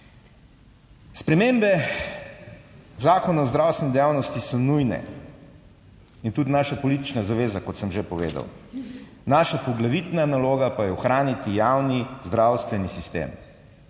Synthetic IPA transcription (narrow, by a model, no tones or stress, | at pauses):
spɾɛmeːmbɛ | zaːkɔnaɔzd̪ɾaːwst̪ʋɛnd̪ɛjaːwnɔst̪isɔnujnɛ̰ | int̪ud̪naːʃapɔlit̪it͡ʃnazaʋeːzakɔt̪səmʒepɔʋḛːd̪a̰w | naʃapɔɡlaʋit̪nanaloːɡapajɛɔxɾaːnit̪ijawnizd̪ɾawst̪ʋɛnisist̪ḛːm